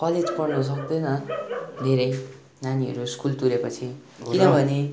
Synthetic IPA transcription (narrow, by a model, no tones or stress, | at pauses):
kʌled͡zpʌrnus̬ʌk̚d̪onʌd̪ʱeɾʌj | naniɦʌ̰ɾuskult̪uɾepʌt͡sʰi | kinʌbʱʌne